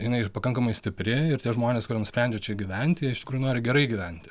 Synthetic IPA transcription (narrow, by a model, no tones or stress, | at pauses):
jɪnɐɪpɐkɐŋkɐmɐɪsʲt̪ʲɪpʲɾʲɪɪrt̪ʲiɛʒmoːnʲeːskʊɾʲiɛnʊsʲpʲɾʲɛnʲd͡ʒʲɛt͡ʃʲɛɡʲiʋʲɛnʲt̪ʲɪɛɪʃtʲɪkɾuːjʊnoːɾʲɪɡʲɛɾɐɪɡʲiʋʲɛnʲt̪ʲ